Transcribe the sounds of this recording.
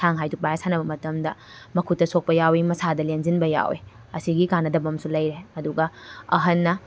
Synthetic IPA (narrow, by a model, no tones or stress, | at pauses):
sʰaŋɦajduk̚bajasanɐbɐmɐtɐmdɐ | mɐkʰutːɐsok̚pɐjawimɐsadɐlenzinbɐja̰wḛ | ɐsiɡikanːɐdɐbɐmsulɐjɾeɐduɡɐɐɦɐnːɐ